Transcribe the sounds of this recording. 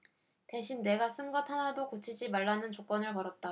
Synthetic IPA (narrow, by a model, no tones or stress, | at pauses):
te̞ɕʰinːe̞ɡas͈ɯnɡʌtʰanadokot͡ɕʰid͡ʑimaɭːanɯnt͡ɕok͈ʌnɯɭkʌɾʌt̚t͈a